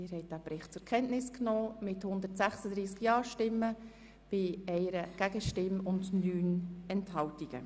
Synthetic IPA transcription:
ɪɾhɛɪt̚d̥æːpɾɪχt̚t͡sʊɾkʰɛnʔnɪsknɔːmɪthʊnd̪əɾtsæχsəd̥ɾiːskjɑːɾʃtɪmːə | b̥ɪɛɪɾəɡ̥æɡəʃtɪmʊndnyːnɛnthɑwtiɡ̥ə̰

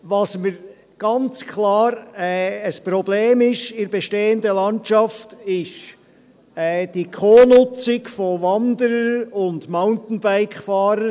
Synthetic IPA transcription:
ʋɑsməɾ | ɡ̥ɑnt͡skʰlɑːɾɛəspɾɔbleːmɪʃɪɾbɛʃteːəndəlɑnt͡ʃɑftɪʃ | ɛːd̥ikʰoːnʊt͡sɪɡfoʋɑnd̪əɾəʊndmaʊntn̩baɪkfɑːɾə

